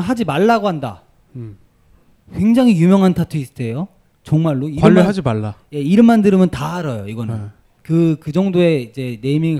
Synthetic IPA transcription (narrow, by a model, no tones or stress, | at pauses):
ɦad͡ʑimaɭːaɡoɦanda̰ | kwe̞ŋd͡ʑaŋɦijumjʌŋɦantʰatʰuis͈ɯ̥dʰe̞jo | t͡ɕʌŋmaɭːoiwaɯːiɦad͡ʑimaɭːaje̞iɾɯmːandɯɾɯmjʌntaɦaɾʌjoiɡʌnɯn | kɯkɯd͡ʑʌŋdoe̞id͡ʑe̞ne̞imiŋ